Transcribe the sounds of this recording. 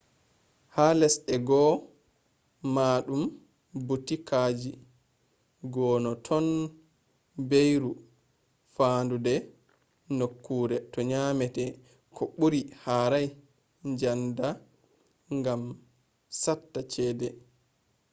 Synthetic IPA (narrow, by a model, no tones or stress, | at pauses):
halɛsɛɡɔ | maːɗum | butikʰaːd͡ʒi | ɡɔːnɔtʰɔn | bejɾu | faːndudɛ | nokːuːɾɛtɔɲaːmɛtɛ | kʰɔɓuɾihaɾaj | ɲd͡ʒanda | ŋɡam | satːat͡ʃɛːdɛ